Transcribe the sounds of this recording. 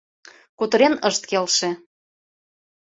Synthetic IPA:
kut̪ə̆ɾenəʃt̪̚kelʃĕ

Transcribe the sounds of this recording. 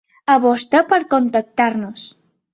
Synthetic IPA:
aβost̪apəɾkont̪ək̚t̪aɾnos

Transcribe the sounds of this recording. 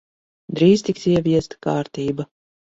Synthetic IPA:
d̪ɾiːzt̪iksiɛvʲiɛst̪kaːɾt̪iːba

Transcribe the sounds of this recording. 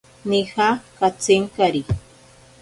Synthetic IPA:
nihakat͡sɪŋkaɾi

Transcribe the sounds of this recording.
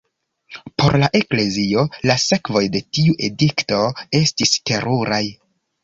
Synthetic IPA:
po̞̰ɾlaʔe̞kle̞zio̞lase̞kvo̞jde̞tiuʔe̞dikto̞e̞stiste̞ɾʔuɾaj

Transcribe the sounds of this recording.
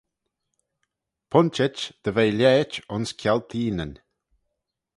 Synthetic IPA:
pʰʊnt͡ʃɛt͡ʃd̪̥əvejlʲɛːt͡ʃʊnskʰjalt̪ʰiːnən

